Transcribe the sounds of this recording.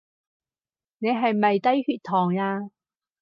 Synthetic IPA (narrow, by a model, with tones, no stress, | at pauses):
ne˨˧jɦɐ˨jmɐ˨jt̪ɐ˥jhyː˧t̪̚ʰɔː˨˩ŋaː˧